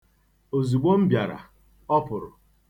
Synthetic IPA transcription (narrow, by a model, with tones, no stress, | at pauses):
o˨zu˨ɡ͡bo˦m̩˦bja˨ɾa̰˨ | ɔ˦pʊ˨ɾʊ˨